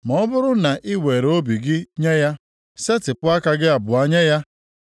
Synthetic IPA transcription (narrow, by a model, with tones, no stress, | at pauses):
mɔ˨ɔ˦bʊ˦ɾʊ˦na˨ʔɪ˦we˨ɾo˦bi˨ɡɪ˦ɲe˦ja˦ | se˦tɪ˨pʊ˦a˦ka˦ɡɪ˦a˨bʊ˨a˨ɲe˦ja˦